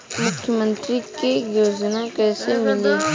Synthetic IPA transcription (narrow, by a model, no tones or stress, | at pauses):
mʊkʰjəmə̃nt̪ɾikejoːznakɛːsemɪle